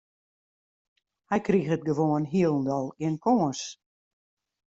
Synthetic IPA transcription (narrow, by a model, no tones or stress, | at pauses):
hɛjkrixət̚ɡəʋoənɦiəlˠn̩dɔlˠiənkʰoːəs